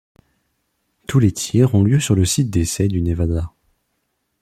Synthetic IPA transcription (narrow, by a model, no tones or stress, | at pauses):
t̪ʰulet̪ʰjɛʁɔ̃ljøsyʁləsit̪̚d̪esɛd̪ynevad̪a